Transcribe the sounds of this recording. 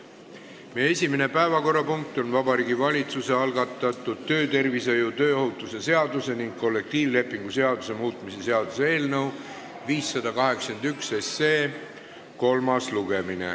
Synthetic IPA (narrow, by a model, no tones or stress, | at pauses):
mee̞sʲimene̞pæevɑko̞rːɑpuŋk̚t̪ˑo̞nvɑbɑɾiːɡivɑlʲit̪suse̞ɑlɡɑt̪ːˑɑt̪ːˑud̪̥̚t̪ːø̞ːt̪e̞rvisɤjut̪ø̞ːoɦhut̪ːˑuse̞se̞ɑd̪use̞niŋɡ̥̚ko̞lːe̞k̚t̪iːvle̞pːˑiŋɡ̥use̞ɑd̪use̞muːt̪ˑmise̞se̞ɑd̪̥useeːlnɤw | viːsːɑd̪ɑkɑɦe̞ksɑkend̪ykse̞seː | ko̞lmɑsluɡ̥e̞minḛ